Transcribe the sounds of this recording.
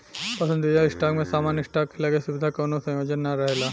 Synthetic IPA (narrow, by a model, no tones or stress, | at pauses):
pɐsə̃nd̪ʱijaisʈakmẽsaːmanisʈakʰelakesubid̪ʱakɔnosɐ̃jod͡ʒənːaɾɐɦela